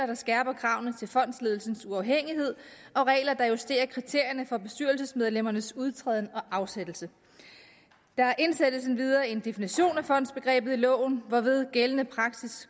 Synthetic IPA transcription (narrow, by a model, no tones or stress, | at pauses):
ɐd̥ɑ̈sɡ̥æːb̥ɐkʰʁɑ̈ʊ̰nət͡sʰe̝lfɒ̽n̰d̥sle̝ːð̞ˠl̩sn̩suɑ̈ʊɦeŋ̰iɦe̝ð̞̰ˠ | ɒ̽ʁɛ̰ːlɐd̥ɑ̈jusd̥e̝̰ːɐkʰʁit͡sʰe̝ɐ̰jɐnəfɒ̽b̥e̝sd̥yɐlsəsmeð̞ˠlem̰ɐnəsuð̞ˠt͡sʰʁɛːð̞ˠn̩ɒ̽ʔɑ̈ʊsed̥l̩sə | d̥ɑ̈æɐʔe̝nsed̥l̩sn̩ʋið̞ˠɐːe̝nd̥e̝finiɕo̝̰ːnæfɒ̽n̰d̥sb̥e̝ɡ̥ʁɛ̰ːb̥ð̩ˠilɔ̰̽ːʊ̰n̩ʋɒʋið̞ˠɡ̥elənəpʰʁɑ̈ɡ̥sis